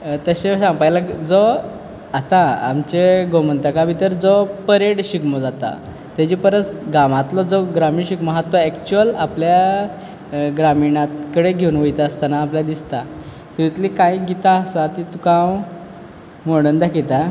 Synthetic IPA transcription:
t̪əɕesãŋɡpajlakd͡zɔ | at̪aa̰mt͡ɕeɡomənt̪akabʱit̪əɾd͡zɔpəɾeɽɕikmod͡zat̪a̰ | t̪jad͡ʑipəɾət͡sɡaʋãt̪lɔd͡zɔɡɾamiɳɕikmaɦat̪ːɔɛkt͡ɕuəlaplja | ɡɾamiɳãkəɽeɡʱewunʋəjt̪aəst̪anaːpljad̪ist̪a | t̪iit̪likãiɡit̪aəsat̪it̪ukãw | moɽənd̪akʰit̪a

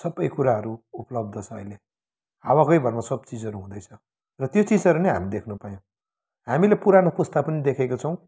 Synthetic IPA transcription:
sʌbʌjkuɾaɦʌɾuuplʌb̚d̪ʱʌt͡sʰʌ̰ːile | awakʌjbʱʌrmasʌbt͡sid͡zʌɾuɦũd̪ʌjt͡sʰʌ | rʌt̪jot͡sid͡zʌɾunejɦa̰mid̪ekʰnupajõw̃ | ɦamilepuɾanopust̪apʌnid̪ekʰekot͡sʰʌw̃

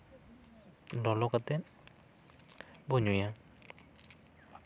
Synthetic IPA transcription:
lɔlɔkat̪ɛ | bɔɲuja

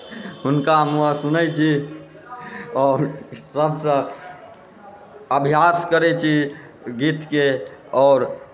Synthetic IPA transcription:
ɦunkamuasunəjt͡ʃʰi | ɔːɾsəbsə̃ | əbʱijaskəɾɛt͡ʃʰi | ɡit̪keɔːɾ

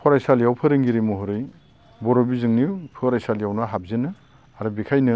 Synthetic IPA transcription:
pʰɔɾajsaljawpʰɯɾɯŋɡiɾimuɦɯɾɯj | bɔɾɔbizɯŋniwpʰɯɾajsaljawnaɦab̚zɯnɯ | aɾubikʰajnɯ

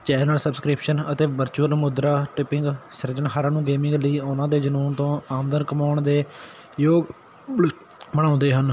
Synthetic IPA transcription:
t͡ʃɛːnəlsəbskɾɪpʃənət̪eːʋəɾt͡ʃuːəlmʊd̪ɾaːʈɪpɪŋɡsəɾd͡ʒənɦaːɾãːnũːɡeːmɪ̃ŋɡləiːʊnãːd̪eːd͡ʒənuːnt̪õːaːmd̪ənkəmaːɳd̪eː | joːɡ | bəɽ̃ãːnd̪eːɦən

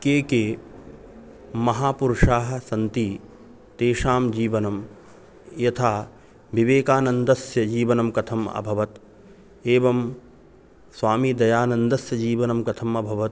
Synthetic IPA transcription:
keːkeː | mɐɦaːpuɾʊʂaːɦɐ̆sɐnt̪i | t̪eːʃaːmd͡ʒiːʋɐnɐm | jɐt̪ʰaː | ʋiʋeːkaːnɐnd̪ɐsjɐd͡ʒiːʋɐnɐmkɐt̪ʰɐmɐ̰bʱɐʋɐt̪ | eːʋɐm | sʋaːmid̪ɐjaːnɐnd̪ɐsjɐd͡ʒiːʋɐnɐmkɐt̪ʰɐmɐbʱɐʋɐt̪

